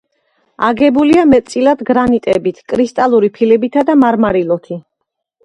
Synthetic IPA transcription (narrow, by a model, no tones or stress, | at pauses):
aɡɛbuliamɛt̪̚ʼsʼilad̪ɡɾanit̪ʼɛbit̪ʰkʼɾist̪ʼalˠuɾipʰilɛbit̪ʰad̪amaɾmaɾilˠɔt̪ʰi